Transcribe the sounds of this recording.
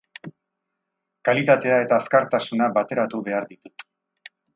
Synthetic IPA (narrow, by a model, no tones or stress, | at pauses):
kalit̪at̪e̞ae̞t̪aːskaɾt̪asunabat̪e̞ɾat̪uβe̞aɾd̪it̪ut̪